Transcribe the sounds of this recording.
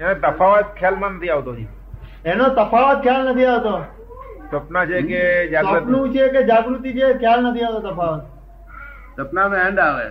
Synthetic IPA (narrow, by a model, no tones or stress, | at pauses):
enet̪əfʰaʋət̪̚kʰjalmãnət̪ʰiaʋt̪od͡ʒi | enot̪əpaʋət̪̚kʰjalnət̪ʰiaʋt̪oː | səpnat͡ʃʰeked͡ʒaapnũt͡ʃʰeked͡ʒaɡɾut̪it͡ʃʰekʰjalnət̪ʰiaʋt̪ot̪əpaʋət̪̚ | səpnameəɳɖaːʋḛ